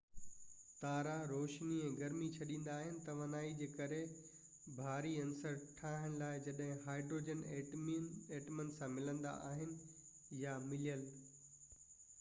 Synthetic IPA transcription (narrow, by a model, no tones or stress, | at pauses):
t̪aːɾaɾoːʃniɛ̃ːɡɐɾmit͡ɕʰɐɗĩːn̆d̪aːɦɪnɪ̆t̪ɐʋɐnaːid͡ʑeːkɐɾe | bʱaːɾiɐ̃nsəɾʈʰaːɦɪɽ̃ɪlaːɪd͡ʑɐɗɦɪ̃ɦaːɪɖɾoːd͡ʑənː | eːʈmənsãmɪlə̃nd̪a̰ʔaːɦɪnɪ̆ | jamɪlijəl